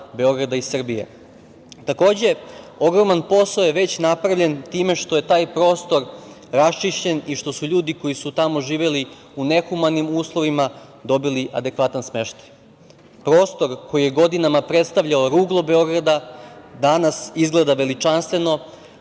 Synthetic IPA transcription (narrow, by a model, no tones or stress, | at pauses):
be̞o̞ɡɾad̪aisr̩bijḛ | t̪ako̞ːd͡ʑe̞o̞ɡɾo̞manpo̞saojeʋe̞t͡ɕnapɾaʋʎe̞nt̪iːme̞ʃt̪o̞je̞t̪aːjpɾo̞ːst̪o̞ɾ | ɾast͡ʃiʃt͡ɕe̞niʃt̪o̞suʎuːd̪iko̞jisut̪amo̞ʒiːʋeli | une̞xumanimuːslˠo̞ʋima | d̪o̞biliʔa̰d̪e̞kʋat̪ansmeʃt̪ḁj | pɾo̞ːst̪o̞ɾko̞jije̞ɡo̞d̪inamapɾe̞t̪st̪aʋʎaoɾuːɡlˠo̞be̞o̞ɡɾad̪ad̪anasizɡled̪aʋe̞lit͡ʃanst̪ʋe̞no̞